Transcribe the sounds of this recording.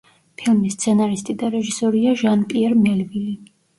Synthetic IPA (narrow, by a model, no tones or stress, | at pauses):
pʰilˠmist̪sʰɛnaɾist̪ʼid̪aɾɛʒisɔɾiaʒanpʼiɛɾmɛlvili